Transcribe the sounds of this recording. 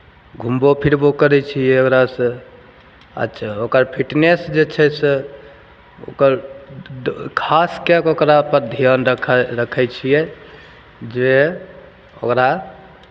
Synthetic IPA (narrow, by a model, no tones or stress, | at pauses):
ɡʱumbopʰiɾbokəɾɛt͡ʃʰiɛokɾasə̃ | ə̰tːʃʰaokəɾpʰiʈnesd͡ʒet͡ʃʰɛse | o̰kəɾ | kʰaskɛkokɾapəɾd̪ʱijənɾəkʰɾəkʰɛt͡ʃʰijɛ | d͡ʒe | okɾa